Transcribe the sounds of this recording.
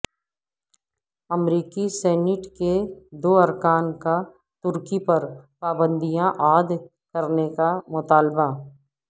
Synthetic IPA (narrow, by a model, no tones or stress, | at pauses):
ɐmɾiːkisɛːnɪʈked̪oːɐɾkaːnka | t̪ʊɾkipɐɾpaːbə̃nd̪ijãʔaːd̪ | kɐɾnekamʊt̪aːlba